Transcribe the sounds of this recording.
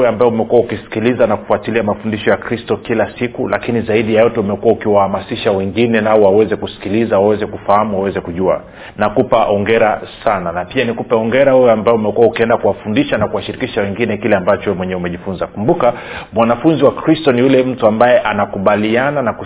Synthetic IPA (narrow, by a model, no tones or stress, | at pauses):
ɛambaɛumɛkuaukisi̥kilizanaku̥fuatiliamafundiʃɔjakɾistɔkilasikulakinizaiɗijajɔtɛumɛkuaukiwahamasiʃawɛŋɡinɛnaɔwawɛzɛkusi̥kilizawawɛzɛkufahamuwawɛzɛkuʄua̰ | nakupaʔɔŋɡɛɾasananapianikupɛɔŋɡɛɾahuwɛambaɛumɛkuaukiɛndakuwafundiʃanakuwaʃiɾikiʃawɛŋɡinɛkilɛambat͡ʃɔmwɛɲɛɛumɛʄifunzakumbukamwanafunziwakɾistɔnijulɛm̩tuambajɛʔanakuɓaliananaku